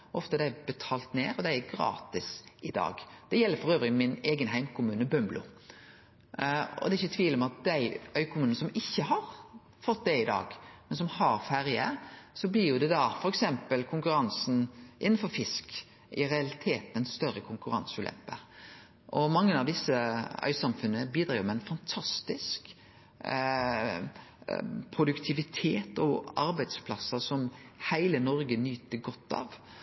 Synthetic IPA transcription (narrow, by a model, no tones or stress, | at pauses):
ɔft̪əd̪æɪbɛt̪ʰɑːlt̪neːɾɔd̪æɪæɾɡɾɑ̰ːt̪ɪsɪd̪ɑ̰ːɡd̪̥ɛjɛlːəɾfɔɾøːʋɾɪmɪneːɡənɦæɪmkʰʊmʉːnəbœmblʊ̰ | ɔ̰d̪ɛɪçːət̪ʰʋiːlɔmɛɑt̪̚d̪æɪœʏkʰʊmʉːnəsɔmɪçːəɦɑɾ | fɔt̪ːd̪ɛɪd̪ɑ̰ːɡmɛnsɔmhɑɾfæɾjəsɔblɪʁjʊd̪ɛd̪ɑfɔɾɛksɛmpəlkʰʊŋkʉɾɑnsn̩ʔɪnːnfɔɾfɪsk | ɪɾɛɑlɪt̪ʰeːt̪ɛnst̪œɾəkʰʊŋkʉɾɑ̰nsʉlɛ̰pːə | ʔɔmɑŋːənɑʋd̪ɪsːəœ̰ʏsɑmfʉnːəbiːd̪ɾɑːɾmɛɪnfɑnt̪ʰɑst̪ɪsk | pʰɾʊd̪ʉkt̪ʰɪʋɪt̪ʰeːt̪ɔɑɾbæɪd̪spʰlɑsːəsɔmhæɪlənɔɾɡənyːt̪əɡɔt̪ːɑ̰ʋ